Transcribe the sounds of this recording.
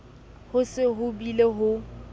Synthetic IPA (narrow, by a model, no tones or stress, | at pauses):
hʊsɪɦʊbileɦʊ